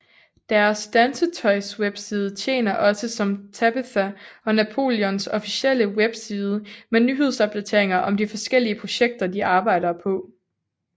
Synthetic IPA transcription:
d̥æɐsd̥ænsət͡sʰɒɪsweb̥siːð̞ˠət͡ɕʰe̝̰ːnɐʔɒ̽səsɒ̽mt͡sʰæb̥iθæɒ̽næpʰo̝̰ːljɔnsɒ̽fisel̰əweb̥siːð̞ˠəmenyːɦe̝ð̞̰ˠsɒ̽b̥̚d̥æt͡sʰe̝ɐe̝ŋɐʔɒ̽mdifɒ̽sɡ̥el̰iəpʰʁo̝ɕeɡ̥̚d̥ɐd̥iʔɑ̈ːb̥ɑ̈ɪ̰dɐpʰɒ̽

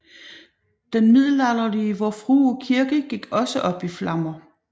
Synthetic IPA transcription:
d̥enmið̰ˠl̩ɑlɐliəʋɒfʁuːɒkʰiɐɡ̥əɡ̥iɡ̥ɒ̽səʔɒ̽b̥iflɑ̈mɐ

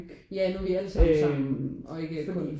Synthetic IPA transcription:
jænoʋiæl̰sɒɑm̰nʔɒ̽e̝ɡ̥əkʰɔn

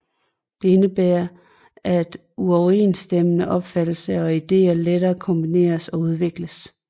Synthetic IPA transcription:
d̥e̝e̝nəb̥eːɐ | ʔæd̥ | uɒʊḛːnsd̥emənəʔɒ̽b̥fæd̥l̩səɒ̽id̥e̝̰ːɐleɾɐːkʰɒ̽mb̥ine̝̰ːɐsɒ̽uð̞ˠʋe̝ɡ̥ləs

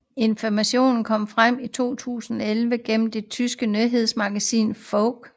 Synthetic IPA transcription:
e̝nfɒmæɕo̝̰ːnn̩kʰɒ̽m̰fʁam̰it͡sʰo̝̰ːt͡sʰṵːsn̩ɒelʋəɡ̥en̰m̩d̥e̝t͡sʰysɡ̥ənøɦe̝ð̞ˠsmɑ̈ɡ̥æsḭːnfɔʊɡ̥

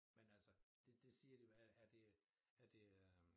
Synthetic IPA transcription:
menælsəd̥e̝d̥e̝siːɐd̥ijoææɐd̥e̝ | æɐd̥e̝ø

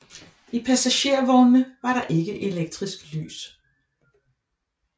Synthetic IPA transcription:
ipʰæsæɕe̝̰ɐ̰ʋɒːməʋɑ̈ɾɑ̈ʔe̝ɡ̥əʔe̝leɡ̥̚d̥ʁisɡ̥ly̰ːs

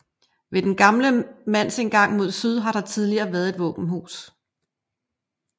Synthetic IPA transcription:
ʋe̝d̥enɡ̥ɑ̈mləmæn̰sinɡ̥ɑ̈ŋ̰mo̝ð̞̰ˠsyð̞ˠɦɑ̈ɾ̥ɑ̈t͡sʰið̞ˠliɐːʋæɐð̩ˠe̝d̥ʋɔ̽ːb̥n̩ɦṵːs

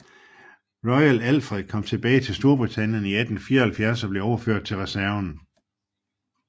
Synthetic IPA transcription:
ʁɒɪælælfʁið̥ˠkʰɒ̽m̰t͡sʰe̝b̥ɛːɪt͡sʰe̝lsd̥o̝ɐb̥ʁit͡sʰænjəniæd̥n̩fiːɐhælfjæɐsɒb̥le̝ɒʊɐføɐ̰d̥̚t͡sʰe̝lʁɛsæɐn

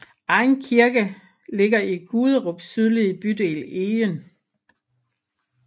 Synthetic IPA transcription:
ɑ̈ɪnkʰiɐɡ̥ə | le̝ɡ̥ɐiɡ̥uð̞ˠəʁɔb̥syð̞ˠlib̥yd̥e̝̰ːleːən

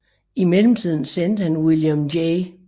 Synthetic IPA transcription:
imelm̩t͡sʰið̞̰ˠn̩sen̰d̥əhænwiljəmdeɪ

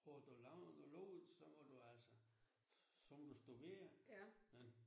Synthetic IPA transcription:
pʰʁɔd̪̥ulɑʊnoloːð̩ˠsɒmɒd̥uæl̰sə | sɒmd̥usd̥udḛːɐmen

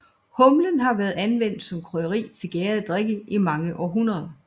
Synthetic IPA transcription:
hɔ̽mlənɦɑ̈ʋæːɐð̩ˠænʋen̰d̥sɒ̽mkʰʁɔðɐʁḭːt͡sʰe̝ɡ̥ɛːɐðˠd̥ʁeɡ̥əʔimɑ̈ŋəʔɒːɦunɐðˠɐ

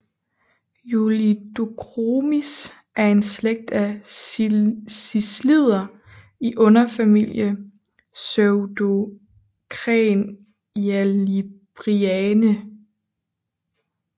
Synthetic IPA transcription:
julid̥okʰʁomis | ʔæɐe̝nsleɡ̥̚d̥æ | sislið̰ˠɐ | iʔɔ̽nɐfæmil̰jə | søʊd̥o̝ | kʰʁɛn | jælib̥ʁiɛnə

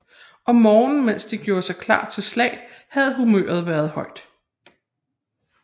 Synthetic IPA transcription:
ʔɒ̽mːɒːnn̩men̰sd̥iɡ̥jo̝ːɐsɑ̈ɪkʰlɑ̰̈ːd̥̚t͡sʰe̝lslɛ̰ɪ̰hæð̞̩ˠɦumø̰ːɐð̞̩ˠʋæːɐð̞̩ˠhɒ̽ɪ̰d̥

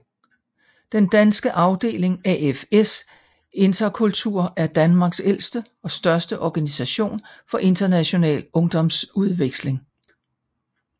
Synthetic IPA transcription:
d̥end̥ænsɡ̥əʔɑ̈ʊd̥e̝̰ːle̝ŋæefes | e̝nd̥ɐkʰult͡sʰuɐ̰æɐd̥ænmɑ̈ɡ̥sel̰sd̥ə | ɒ̽sd̥ɶɐsd̥əʔɒɡ̥ænisæɕo̝̰ːnfɒ̽ʔe̝nd̥ɐnæɕo̝nɛ̰ːlɔ̽ŋd̥ɒ̽msuðˠʋeɡ̥sle̝ŋ

